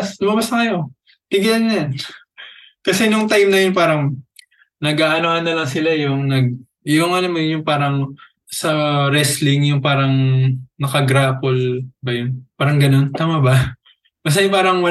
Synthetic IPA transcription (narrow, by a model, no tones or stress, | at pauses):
slʊmɐbasnɐkɐjo̞ | pɪɡɪlanɲan | kɐsɛnʊŋt̪ajmnɐjonpaːɾɐŋ | nɐɡaːʔɐnohɐnːɐlɐŋsɪlajʊŋnɐɡ̚ | jʊŋɐnomɐnjʊŋpaːɾɐŋ | sɐɾɛslɪŋjʊŋpaːɾɐŋnɐkɐɡɾaːpolbɐjonpaːɾɐŋɡɐno̞nt̪aːmaba | bɐs̬ajpaːɾɐŋwɐ